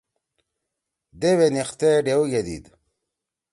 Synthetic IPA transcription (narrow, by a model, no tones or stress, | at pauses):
d̪ewenixt̪eɖeuɡed̪ḭd̪